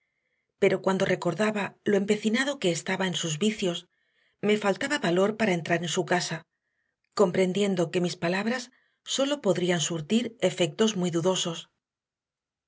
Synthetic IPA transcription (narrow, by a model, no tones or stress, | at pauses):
pe̞ɾo̞kwand̪ore̞ko̞ɾðaβaloe̞mpe̞θinaðo̞ke̞ːst̪aβaensuzβiθjo̞s | me̞falt̪aβaβalo̞ɾpaɾae̞nt̪ɾaɾe̞nsukasa | ko̞mpɾe̞nd̪je̞nd̪o̞ke̞mispalaβ̞ɾasː | o̞lo̞po̞ðɾiansuɾt̪iɾe̞fe̞k̚t̪o̞zmwijðuðo̞so̞s